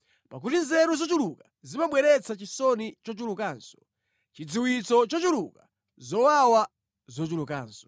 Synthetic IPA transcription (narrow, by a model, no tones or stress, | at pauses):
pak̬utinzɛɾuzɔt͡ʃuluka | zimaɓwɛɾɛt͡sʰat͡ʃisɔnit͡ʃɔt͡ʃulukaːnsɔ̥ | t͡ʃid͡ziwit͡sɔt͡ʃɔt͡ʃulṵka | zɔwawa | zɔt͡ʃuluka̰ːnsɔ̥